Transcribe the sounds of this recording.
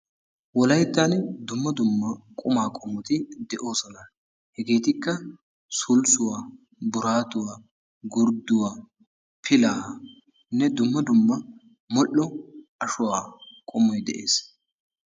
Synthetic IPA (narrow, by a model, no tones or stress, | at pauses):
wɔlɐjt̪ːaːnd̪ʊmːɐd̪ʊmːɐkʼʊmaːkʼɔmːʊt̪ɪd̪ɛʔo̞ːsɔnɐ | hɛɡe̞ːt̪ɪkːɐ | sʊlsʊwaː | bʊɾaːt̪ʊwa | ɡʊɾd̪ʊwaː | pʰɪlaː | nːɛd̪ʊmːɐd̪ʊmːɐ | mɔʔɔɐʃʊwaːkʼɔmɔjd̪ɛ̰ʔe̞̰ːs